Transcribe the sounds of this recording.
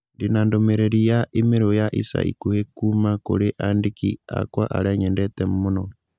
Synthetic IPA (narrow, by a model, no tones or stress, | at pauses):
ndinandomeɾeɾijaʔimiɾojaʔisa̰ḭkuhekumakuleʔandikḭa̰kwaʔa̰ɾeɲɛndɛtemmuno